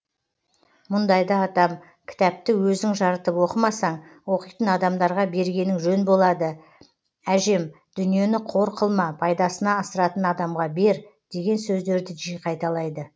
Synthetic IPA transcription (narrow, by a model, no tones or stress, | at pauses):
mʊnd̪ɑjd̪ɑːd̪ɑm | kʲʰɪ̥t̪æp̚t̪ɪwɵzɪŋʒɑɾət̪əpwo̞qəmɑsɑɴwo̞qijt̪ənɑd̪ɑmd̪ɑɾʁɑbe̞ɾɡʲe̞nɪŋʒɵnbo̞lˠɑd̪ə | æʒe̞m | d̪̥ʏnije̞nɪqʰo̞ɾqʰəlˠmɑpʰɑjd̪ɑsənɑːsəɾɑt̪ənɑd̪ɑmʁɑbe̞ɾd̪̥e̞ɡʲe̞nsɵzd̪e̞ɾd̪ɪʒijqʰɑjt̪ɑlˠɑjd̪ə